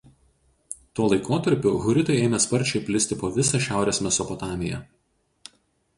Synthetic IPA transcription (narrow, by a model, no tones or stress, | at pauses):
t̪uːlˠɐɪkoːt̪ɐɾʲpʲʊɣʊɾʲɪt̪ɐɪeːmʲɛspɐɾʲt͡ʃʲɛɪpʲlʲɪsʲt̪ʲɪpoːʋʲɪsɑˑʃʲæˑʊɾʲeːsmʲɛsɔpɔt̪ɑːmʲɪjɛ̰